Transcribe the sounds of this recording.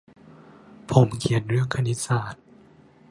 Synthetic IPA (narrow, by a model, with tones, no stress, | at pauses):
pʰo˨˩˦mkʰi˨˩ə˦nɾɯ˥˩əŋkʰa˧ni˦˥t̪̚saː˨˩t̪̚